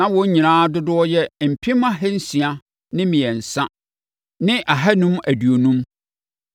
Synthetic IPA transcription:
nã˨wɔ̃˨˦ɲ˦ɲĩ˨nãː˦dʊ˦dʊ˦ɔ˦jɛ˦m̩˨pʰĩ˦m˦a˦ɦɛ˦n̩˦sĩ˨a˨ | nɪ̃˦mĩ˨ɛ˨n̩˨sã˦ | nɪ̃˦ʔa˨ɦa˦nũ˦mæ˨dɥo˨nũ˦m

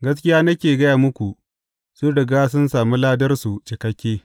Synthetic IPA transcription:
ɡɐ˦s̬kʲɪ˦jaː˦nɐ˦kʲeː˨ɡɐ˦jaː˨mʊ˦kʷu˨ | sʊ˦ɽɪ˨ɡaː˦sʊ˦nsaː˨mi˦laː˦dɐ˦rsu˨t͡ʃɪ˨kɐ˦kʲːeː˦

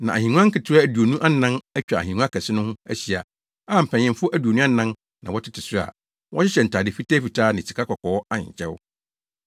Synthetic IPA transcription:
nã˨a̰˨hĩ˨ŋũ˦ã˦ŋ̩˦kɪ˨tʰɪ˦ɾa˦æ˨du˨o˨nũ˦ʔa˦nã˦næ˦t͡ɕᶣa˨a˨ĩ˨nũ˦a˦kʰɛ˨sɪ˦nʊ̃˦hʊ̃˦æ˦ɕi˨a̰˨ | a˦˨m̩˨pʰɛ̃˨ɲ̃˨ɪ̃˦mfʊ˦ʔæ˦du˨o˨nũ˦a˦nã˦n | nã˨wɔ˦tʰɪ˦tʰɪ˨sʊ˦˨a̰˨ | wʔɔ̰̃˦ɕɪ˦ɕɛ˨n̩˨tʰaː˨dɪ˨fi˦tʰɛː˦fi˨tʰaː˦nɪ̃˨t͡ɕʰi˨kʰa˦kʰɔ˨kʰɔ˨˦ɔ˦a˦ɲɪ̰̃˨t͡ɕʰɛ̰˦w

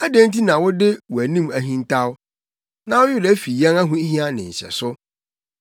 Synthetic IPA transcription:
æ˦dẽ˦n̩˦ti˦nã˨wʊ˦dɪ˦wɔ˨æ˨nĩ˦mæ˨ɦĩ˦n˦tʰa˦wʊ˦ | nã˦wʊ˦jʊ˦lɛ˨˦fi˨jɛ̃˦na˦ɦũ˦ɦĩ˦a˦nɪ̃˨ɲ̩˨ɕɛ̰˨sʊ˦

